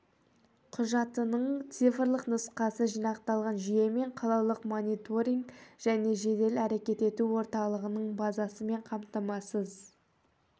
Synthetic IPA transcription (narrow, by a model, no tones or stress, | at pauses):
qʰʊʒɑt̪ənəɴt̪sijfərlˠəqnʊsqɑsəʒijnɑqt̪ɑlˠʁɑnʒije̞me̞ɴqʰɑlˠɑlˠəqmonʲit̪o̞ɾiŋɡʒ̥æne̞ʒe̞d̪e̞læɾe̞kʲe̞t̪e̞t̪uwo̞ɾt̪ɑlˠəʁənəɴbɑzɑsəme̞ɴqʰɑmt̪ɑmɑsəz